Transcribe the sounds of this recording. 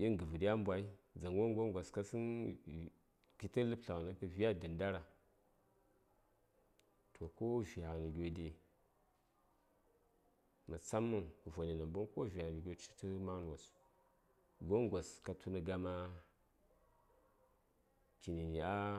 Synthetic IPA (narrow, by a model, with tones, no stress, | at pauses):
i˦ŋɡə˨və˨di˦ja˦m˦bʷwa˨˦i˦d͡za˨ŋwo˦ŋ˦ɡo˦ŋɡʷa˨ska˦sə˦n | ki˨tə˦lɨ˦pɬa˨ɣnə˦kə˦vi˦a˦də˨nda˦ɾa˨ | tʰo˨ko˦vi˨a˨nə˨ɡʲo˨di˦ | mə˨t͡sa˦mːə˦˨vʷa˨ni˨na˨mbu˦nko˦vi˨a˨nə˨ɡʲo˦t͡ʃi˦tə˦ma˦n˦wa˨s | ɡo˦ŋɡʷa˨ska˨tʰu˦nə˨ɡa˦ma˦ | ki˨ni˨ni˨a˦